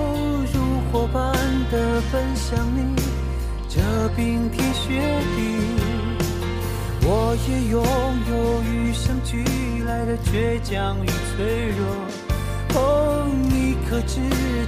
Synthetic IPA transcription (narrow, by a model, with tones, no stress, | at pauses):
ɻu˧xwɔ˨˩pa˥nd̪ə˨fə˥nɕjɑ˨˩ŋni˧˥ | ʈ͡ʂə˧˩pi˧˥ŋt̪ʰi˥ɕɥɛ˧˥ | t̪i˧ | wɔ˨˩jɛ˧˩jʊ˨˧˥ŋjo˨ʊy˧˥ʂə˥ŋt͡ɕʰy˧˥˧ | la˧˥ɪd̪ə˨t͡ɕɥɛ˧˥t͡ɕjɑ˧˩ŋy˧˩t͡sʰwe˧˥ɪɻɔ˧˩ | o˧ni˧kʰɤ˨˩ʈ͡ʂɻ̩˥˧